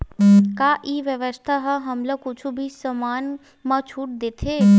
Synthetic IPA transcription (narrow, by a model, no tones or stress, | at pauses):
kaːʔiːʋjəʋəst̪ʰaɦɐɦɐmləkʊt͡ʃʰubʱisɐmaːn | mãt͡ʃʰuːʈ̚d̪eːt̪ʰeː